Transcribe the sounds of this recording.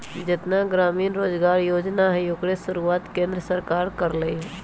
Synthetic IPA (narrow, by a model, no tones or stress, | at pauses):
d͡ʒɪt̪naɡɾaːmiːnɾoːd͡ʒɡaːɾjoːd͡ʒnaɦɛjoːkɽesʊɾuaːt̪kẽːnd̪ɾəsəɾkaːɾkəɾləiɦɛ